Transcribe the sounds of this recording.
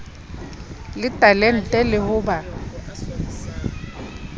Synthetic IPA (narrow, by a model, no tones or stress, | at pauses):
lɪtʼalɛn̩tʼɛlɪhʊba